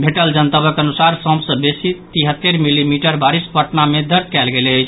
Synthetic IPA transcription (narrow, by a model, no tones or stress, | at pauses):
bʱeʈəld͡ʒənt̪əbəkənusaɾsə̃msə̃besit̪iɦət̪ːeɾmilimiʈəɾbaɾispəʈnamed̪əɾt̪ʰkɛlɡelət͡ʃʰ